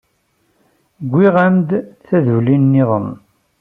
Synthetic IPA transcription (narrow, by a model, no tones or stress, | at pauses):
ɡʷːiʁæmd̪θæðulinːiðˤən